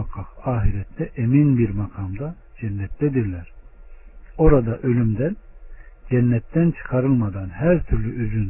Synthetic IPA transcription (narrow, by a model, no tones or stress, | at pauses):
akʰɑqaːɦiɾɛt̪ʰːɛʔeminbiɾmakʰamd̪a | d͡ʒɛnːɛt̪ːɛd̪iɾlʲæɾ̥ | o̞ɾad̪aʔø̞lʲymd̪ænd͡ʒɛnːɛt̪ːænt͡ʃʰɯ̥kʰaɾɯlˠmad̪anhæɾt̪ʰyɾlʲyʔyzyn